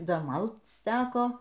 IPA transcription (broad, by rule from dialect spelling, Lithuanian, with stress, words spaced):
ˈdɐ ˈmɐlˠt͡s ˈtʲæːkoː